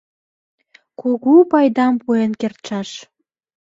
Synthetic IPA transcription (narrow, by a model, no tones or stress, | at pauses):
kuɣupɑjd̪ɑmpuenkert̪ʃɑʃ